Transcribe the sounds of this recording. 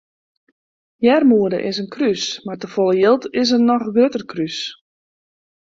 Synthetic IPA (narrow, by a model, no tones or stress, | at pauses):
jɛrmuədə̰ʔɪsənkrysmartəfɔlˠəjɪlˠtɪs̬ənɔxɡrøtərkʰrys